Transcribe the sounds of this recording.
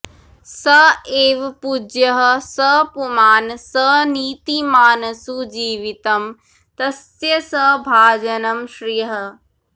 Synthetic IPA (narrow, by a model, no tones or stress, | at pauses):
sɐeːʋpud͡ʑjəɦsɐpumaːnsɐniːt̪imaːnɐsud͡ʑiːʋit̪ɐm | t̪ɐs | jɐsɐbʱaːd͡ʑɐnɐmʃɾijəɦə̆